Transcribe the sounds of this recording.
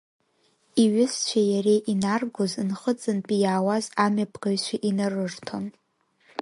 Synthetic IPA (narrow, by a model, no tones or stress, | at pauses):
iɥɪst͡ɕʷʰajaɾejʔinarɡʷozɨnχət͡sʼɨnpʼijaːwazamɥapʰʼɡaɥʃʷᶣaʔinarɨrtʰon